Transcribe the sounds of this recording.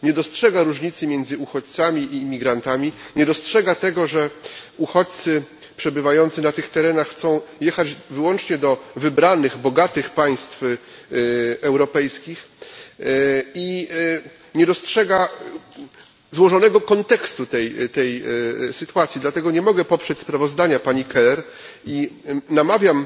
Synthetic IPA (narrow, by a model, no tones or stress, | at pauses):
ɲɛd̪ɔstʂɛɡaɾuʐɲit̪sɘmʲjɛnd̪zɘuxɔt͡ɕt̪samʲiʔimʲiɡɾant̪amʲiɲɛd̪ɔstʂɛɡat̪ɛɡɔʐɛuxɔt͡ɕt̪sɘ | pʂɛbɘvajɔnt̪sɘnat̪ɘxt̪ɛɾɛnaxxt̪sɔ̃w̃jɛxad͡ʑvɘwɔnt͡ʂɲɛd̪ɔvɘbɾanɘɣbɔɡat̪ɘxpaj̃st̪f | ɛwɾɔpɛjskʲix | i | ɲɛd̪ɔstʂɛɡa | zwɔʐɔnɛɡɔkɔnt̪ɛkst̪ut̪ɛjt̪ɛjsɘt̪uat̪sʲjid̪lat̪ɛɡɔɲɛmɔɡɛpɔpʂɛt͡ɕʲspɾavɔzd̪aɲapaɲikɛlɛɾ | inamavʲjam